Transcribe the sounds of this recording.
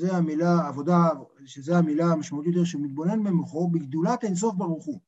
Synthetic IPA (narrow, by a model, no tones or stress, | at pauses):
zeamilaːvo̞d̪a | ʃezeamilaːmaʃmaut̪jo̞t̪e̞ʃeumit̪̚bo̞ne̞nmemuχobeɡd̪ulat̪enso̞fbaʁuχu